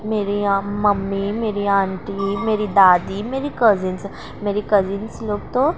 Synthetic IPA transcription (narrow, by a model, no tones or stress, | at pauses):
meːɾimɐmːimeːɾiãːɳʈimeːɾid̪aːd̪imeːɾikɐzɪns | meːɾikɐzinsloːɡ̚t̪õ